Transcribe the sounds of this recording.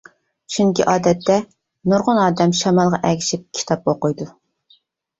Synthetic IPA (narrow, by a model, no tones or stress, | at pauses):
t͡ʃʰyŋkʲiʔɑːd̪ɛt̪ːɛ | nuɾʁʊnɑːd̪ɛmʃɑmɑlˠʁɑʔɛɡʲiʃip̚kʲʰi̥t̪ʰɑp̚oqʊjd̪u